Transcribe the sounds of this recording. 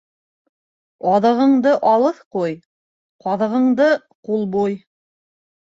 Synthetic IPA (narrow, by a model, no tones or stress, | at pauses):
ɑðɤ̆ʁɤ̆ɴd̪ɤʔɑlˠɤθquj | qɑðɤ̆ʁɤ̆ɴd̪ɤ | qulˠbuj